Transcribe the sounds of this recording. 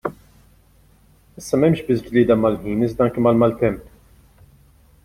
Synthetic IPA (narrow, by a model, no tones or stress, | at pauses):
ɪsːɐmɛmʃbɪs̬d͡ʒliːd̪ɐmɐlħiːnɪzd̪ɐŋkimɐlmɐlt̪ɛmp